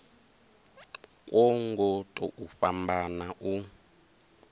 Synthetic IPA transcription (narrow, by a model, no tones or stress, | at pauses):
kʼwʔɔŋɡɔtʼɔ̰ʔufambanaʔu